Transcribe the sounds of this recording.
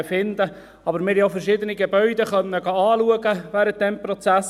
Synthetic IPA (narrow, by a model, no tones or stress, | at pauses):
fɪnd̪ə | ɑbəɾmɪːɾjoʊfəɾʃiːd̪əniɡebœʏdɛχœnːəɡɑɑːluəɡəvæːɾənt̪̚d̥ɛmprot͡sæs